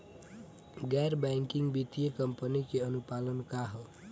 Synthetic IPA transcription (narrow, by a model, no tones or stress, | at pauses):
ɡɛjɾbajŋkiŋɡbit̪ijəkʌmpənikeʌnupalənkaɦo